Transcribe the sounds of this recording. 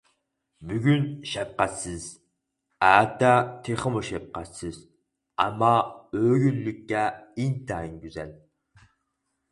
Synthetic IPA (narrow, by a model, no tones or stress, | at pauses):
byɡʲynʃɛp̚qæt̪sɨz | æːt̪at̪ʰeχəmuʃɛp̚qæt̪sɨz̥ | a̰mːɑøːɡylːykʲːɛint̪ʰainɡʲyzɛ̰l